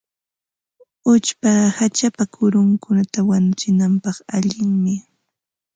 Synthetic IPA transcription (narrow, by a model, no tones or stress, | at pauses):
ʊt͡ʃpahat͡ʃapakʰʊɾʊŋkʊnat̪awanʊt͡sɪnampɑχaʎɪŋmɪ